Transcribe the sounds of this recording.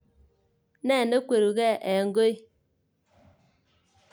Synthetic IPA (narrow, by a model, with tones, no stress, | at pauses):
nɛ˦˨ne˦kʷe˨ɾu˨ɣɛ˦˨ʔɛ˨ŋ˦ɡo˦i˦